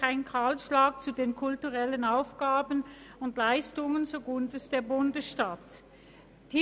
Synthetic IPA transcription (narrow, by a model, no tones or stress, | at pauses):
aɪnkʰaːlʃlaːk̚t͡sudeːnkʰʊltuʁɛlənaʊfɡ̥aːbən̩ʊntlaɪstʊŋənzoɡʊndəsd̥eːɐbʊndəsʃtat | d̥i